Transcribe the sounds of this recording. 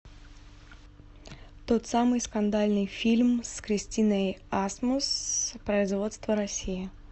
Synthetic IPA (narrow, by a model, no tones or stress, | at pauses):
t̪ot̪samɨjskɐnd̪alʲnɨjfʲilʲmskɾʲɪsʲtʲinəjasmʊspɾəɪzvo̞t̪st̪vəɾɐsʲijɪ